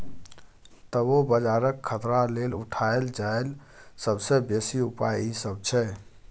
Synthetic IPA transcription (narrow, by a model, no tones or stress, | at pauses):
t̪əobəd͡ʒaɾəkʰːət̪ɾalelṵʈʰaeld͡ʒael | səbsebesiupajisəb̚t͡ʃʰɛ